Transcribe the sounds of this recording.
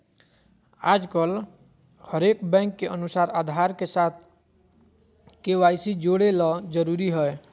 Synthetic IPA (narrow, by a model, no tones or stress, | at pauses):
aːd͡ʒkəl | həɾekbɛ̃ŋkːeənusaːɾaːd̪ʱaɾkesaːt̪ʰ | kewajsid͡ʒoɽelɔd͡ʒəɾuɾiɦəe